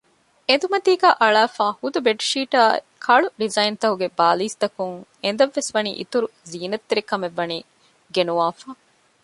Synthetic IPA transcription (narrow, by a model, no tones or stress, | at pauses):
ed̪umɐt̪iːɡæːʔɐɭaːfaːhud̪ubeʈʃiːʈaːe | kʰɐɭuɖizɐjint̪ɐɦuɡebaːliːst̪ɐkuŋend̪ɐʋːesʋɐnḭːʔḭt̪uɾuziːnɐt̪ːiɾikɐmeʋːɐniː | ɡenuʋaːfaː